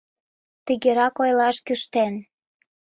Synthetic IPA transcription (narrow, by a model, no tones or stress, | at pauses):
t̪iɣeɾɑkojlɑʃkyʃt̪en